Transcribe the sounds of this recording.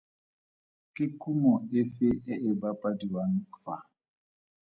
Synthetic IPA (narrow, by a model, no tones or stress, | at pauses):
kekumɔefeʔɛʔɛbapadiwankfa